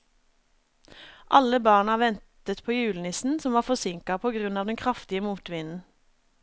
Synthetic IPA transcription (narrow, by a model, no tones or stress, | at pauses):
ʔɑləbɑːʁɳɑʋɛnt̪ət̪pʰoːjʉːlnɪsn̩sɔmʋɑːʁfɔsɪŋkɑpʰoːɡʁʉnɑːʋd̪ɛnkʰʁɑft̪ɪəmuːt̪ʋɪnn̩